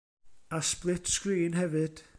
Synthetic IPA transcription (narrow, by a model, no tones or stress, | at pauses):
asplˠɪtʰskriːnɦɛvɨd̥